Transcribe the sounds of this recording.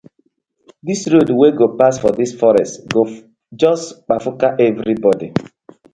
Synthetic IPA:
disɾodweɡopasfɔdisfɔɾɛstɡo | d͡ʒɔsk͡pafʊkaʔɛvɾibɔdi

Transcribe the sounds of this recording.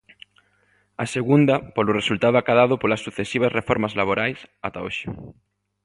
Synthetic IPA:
aseɣund̪ɐpolʊresult̪aðʊakaðaðʊpolɐsːuθesiβ̞ɐsrefɔɾmazlaβ̞oɾajsat̪aoʃɪ̥

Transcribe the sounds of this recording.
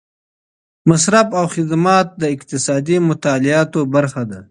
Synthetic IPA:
masɾabawxɪd̪mɑt̪̚d̪əɪqt̪ɪsɑːd̪imʊt̪aːlɪɑːt̪obaɾxad̪a

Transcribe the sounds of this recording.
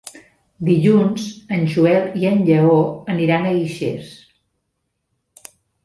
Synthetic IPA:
d̪iʎunzənʲʒuɛlˠiənʎəoəniɾanəiʃḛs

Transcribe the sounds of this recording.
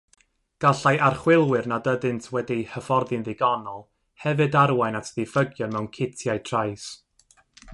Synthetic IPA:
ɡ̥aɬajʔarχwɪlˠwɪrnadədɨntʰwɛdihəfɔrðɨnðɪɡɔnɔlˠ | hɛvɨdaɾwajnatʰðɪfəɡjɔnmɛwnkʰɪtʰjajtʰrajs

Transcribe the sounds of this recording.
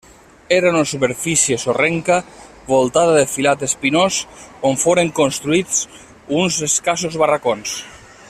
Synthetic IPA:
eɾaunasupeɾfisiesoreŋka | βolˠt̪aðaðefilat̪espinosoɱfoɾeŋkonst̪ɾuit͡s | unzeskasozβarakons

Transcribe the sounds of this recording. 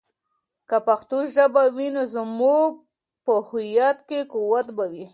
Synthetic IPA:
kapaxt̪oʒabawinozəmuɡ̚ | pəhʊjat̪kekuwat̪bawi

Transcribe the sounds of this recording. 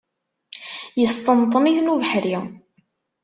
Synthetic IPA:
jəst̪ˤənt̪ˤniθnuvħɾi

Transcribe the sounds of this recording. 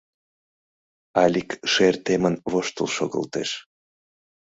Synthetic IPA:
ɑlʲikʃert̪emənβoʃt̪əlˠʃoɣə̰lt̪eʃ

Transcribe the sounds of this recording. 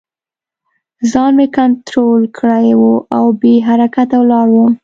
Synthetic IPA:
zɑnmekant̪ɾolkʰɽajwuʔawbeɦaɾakat̪awlɑɽwu

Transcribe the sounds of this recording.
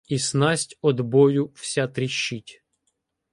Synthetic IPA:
isnɑsʲtʲɔd̪bɔjʊw̥sʲat̪ɾʲiʃːitʲ

